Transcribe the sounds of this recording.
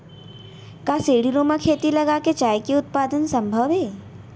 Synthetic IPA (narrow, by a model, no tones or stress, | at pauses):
kaseːɽiɾoːmakʰeːt̪ilɐɡaket͡ʃaːjkiʊt̪̚paːd̪ənsɐ̃mbʱəʋeː